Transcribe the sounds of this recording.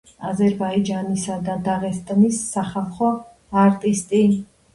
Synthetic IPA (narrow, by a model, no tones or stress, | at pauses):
azɛɾbaid͡ʒanisad̪ad̪aʁɛst̪ʼnisːaχɛlˠχɔ | aɾt̪ʼist̪ʼi